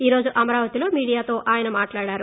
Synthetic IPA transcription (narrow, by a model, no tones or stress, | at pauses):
iːɾo̞ːd͡ʒuʔɐmɐɾaːʋɐt̪ilo̞ːmiːɽijaːt̪o̞ːʔaːjɐnɐmaːʈlaːɽaːɾu